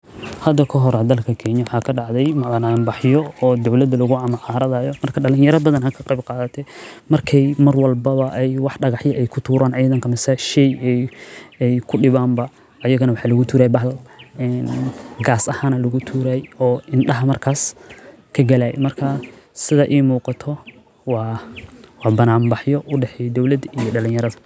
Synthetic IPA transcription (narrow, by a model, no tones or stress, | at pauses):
hɐd̪ɐkʰɐɦɔɾɐd̪ɐlkʰɐkʰɛːnjɐwħɑːkʰɐɖɑʕðɛjmɐðɐnambɑħjɔɔːd̪ɐwlɐd̪ɐlɐɣʊɐmʕɑːɾɐðaːjɔmɐrkʰɐɖɐlɪ̃njɐɾɐbɐðɐnakʰɐqɑjbqɑːðɐt̪ʰɛmɐrkʰɛjmɐrwɑlbɐβɐʔɛjwɑħɖɐɣɑħjɐʔɛjkʰʊt̪ʰuːɾʔaːnɛjðɐŋkʰɐmɪsɛʃɛjɛjɛjkʰʊɖɪβaːmbɐː | jɐɣɐnɐwɑħɑːlɐɣʊt̪ʰuːɾaːjbɐɦɛnɡaːsɐhanɐlɐɣʊt̪ʰuːɾaːjɔːʔɪnɖɐɦɐmɐrkʰaːs | kʰɐɡɐlaːj̰mɐrkʰɐ | sɪðɐʔiːmuːqɑt̪ʰɔ | wɑːwɑːbɐnaːmbɑħjɔʔʊɖɛħɛjd̪ɔwlɐd̪ijɔɖɐlɪ̃njɐɾɐðɐ